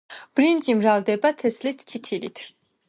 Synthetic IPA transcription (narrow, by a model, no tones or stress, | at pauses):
b̥ɾind͡ʒimɾald̪ɛbat̪ʰɛslɛt̪ʰt͡ʃʰit̪ʰilḭt̪ʰ